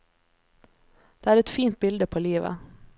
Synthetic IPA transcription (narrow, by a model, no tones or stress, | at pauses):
d̪̥ɛæːɾɛt̪fiːnt̪̚bɪld̪əpʰɔliːʋa̰